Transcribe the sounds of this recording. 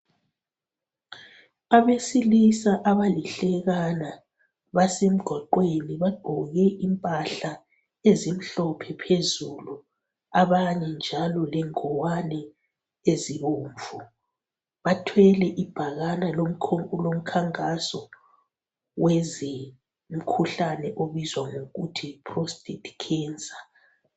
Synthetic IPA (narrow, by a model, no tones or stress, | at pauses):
aβesilisaʔaβaliɬɛɣana | βasem̩ɡ̥ʱwaǃweniβaɡ͡ǃ̥ʱɔɣɛʔimpʼaɬa | ezim̩ɬɔpʰɛpʰezulu | aβaɲɛnd͡ʒʱalɔlɛŋɔwanɛ | eziβoːɱvu | βatʰwɛlɛʔib̥ʱaɣalalolom̩kʰaŋkʼasɔ | wɛzɛ | m̩kʰuɬanɛʔoβizwaŋoɣutʰipʰrostʼitʰʼi̥kʰɛːnt͡sʼa